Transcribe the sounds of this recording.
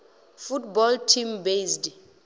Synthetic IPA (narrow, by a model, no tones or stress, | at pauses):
futbɔltʰimbezd